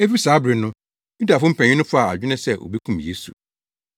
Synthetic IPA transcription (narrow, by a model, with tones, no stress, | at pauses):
e˦fi˦saː˨˦bɾɪ˨nʊ̃˦ | ju˦da˨fʊ˦m̩˦pʰɛ̃˨ɲ̃˨ɪ̃˦nʊ̃˦fa˨a̰˨ɪ˦nɪ̃˦sɛ˦˨ʔo̰˨bi˦kʰũ˦mje˦sṵ˨